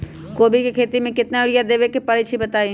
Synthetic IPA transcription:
koːbikekʰeːt̪imẽkɪt̪naʊɽijad̪eːʋekepɐɾit͡ʃʰibɐt̪aːi

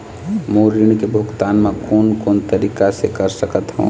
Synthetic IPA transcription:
moɾiɳ̃kebʱuɡt̪aːnmẽkoːnkoːnt̪əɾiːkasekəɾsəkət̪ɦṵ̃

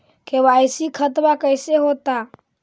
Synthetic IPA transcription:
kebajsikʰət̪bakəjseɦot̪a

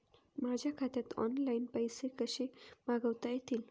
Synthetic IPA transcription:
mad͡ʑʱakʰat̪jat̪ʰɔ̰nlainpəjsekəɕemaɡəʋt̪ajet̪ʰiːl

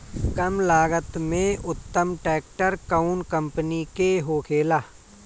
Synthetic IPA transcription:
kɐmlaːɡət̪mẽʊt̪ːəmʈɛːk̚ʈəɾkaʊnkə̃mpənikeɦoːkʰeːlaː

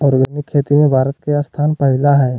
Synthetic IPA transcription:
ɔːɾɡənɪkʰːeːt̪imẽbʱaːɾət̪keast̪ʰaːnpəɦɪlaɦɛː

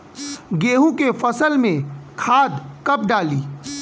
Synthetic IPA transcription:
ɡeːɦũkefɐsəlmẽkʰaːd̪kɐp̚ɖaːliː

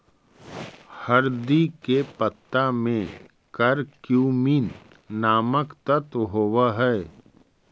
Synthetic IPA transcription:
hɐɾd̪ikepət̪ːamẽ | kɐɾkjuːminː | aːməkt̪ət̪ɦoːwaɦɛː

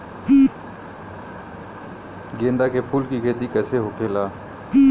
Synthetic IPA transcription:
ɡẽːnd̪akepʰuːlkikʰeːt̪ikɛːseɦokʰeːlaː

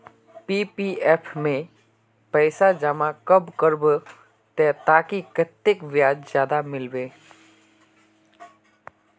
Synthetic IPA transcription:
piːpiːɛpʰmẽ | pɛɪsad͡ʒamakəbkəɾb | t̪ɛt̪aːkikət̪ːɪkʋjaːd͡ʒzjaːd̪amɪlʋeː

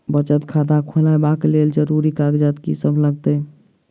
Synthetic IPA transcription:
bət͡ʃət̪kʰad̪akʰolabakeleld͡ʒəɾuɾikaɡd͡ʒat̪kisəbləɡt̪ə

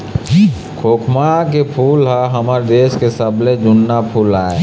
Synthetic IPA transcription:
kʰoːkʰmak̬epʰuːlɦaɦəmaːɾd̪eːʃkesəbled͡ʒʊnːapʰuːlaːe

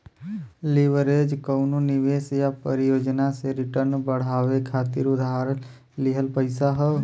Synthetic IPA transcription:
lɪʋəɾed͡ʒkəʊnonɪʋeːsjapəɾɪjoːd͡ʒnaseɾɪʈəɾnbəɽ̤aːʋekʰaːt̪iɾʊd̪ʱaɾən | lɪɦəlpəɪsaɦə

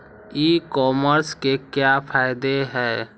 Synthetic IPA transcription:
iːkɔːməɾskekjapʰaːɪd̪eɦɛː

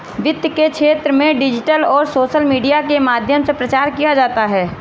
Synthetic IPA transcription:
ʋɪd̪jəkekʃʰeːt̪ɾəmẽɖɪd͡ʒɪʈəlɔːɾsoːʃəlmiːɖijakemaːd̪ʱjəmsepɾɐt͡ʃaːɾkijad͡ʒaːt̪aɦɛː

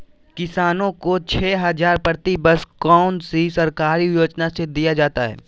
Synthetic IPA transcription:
kɪsaːnõkot͡ʃʰɛːɦɐzaːɾpəɾt̪ibəskaːʊnsisɐɾkaːɾijoːd͡ʒnased̪ijad͡ʒaːt̪aɦɛ̰ː

